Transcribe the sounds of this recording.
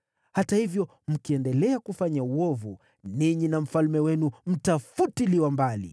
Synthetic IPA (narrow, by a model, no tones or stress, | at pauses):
hatahivjɔ | m̩kiɛndɛlɛakufaɲauwɔvu | niɲinam̩falmɛwɛnum̩tafutiliwambalḭ